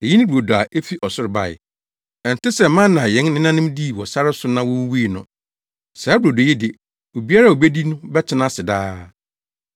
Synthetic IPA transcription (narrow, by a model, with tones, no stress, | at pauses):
e˨ji˦nɪ̃˦bu˨o˨dɔ˨a˨ʔe˦fi˦ʔɔ˨sʊ˦ɾɪ˨ba̰˨ɪ̰˨ | ɛ˨n̩˨tɪ˦sɛ˨mã˦nã˨jɛ̃˨˦n˦ɪ̃˦nã˦nʊ̃˦mdi˦˨wɔ˨sa˦ɾɪ˦sʊ˨˦nã˦wɔ˦wu˦wi˦i˦˨nʊ̰̃˨ | sɛ˨˦dʊ˨o˨do˨jɛ˦dɪ˨ | o˨bi˦a˦ɾa˦˨o˨be˦di˦nʊ̃˦bɛ˦t͡ɕʰɪ˦nã˦sɪ˨daː˦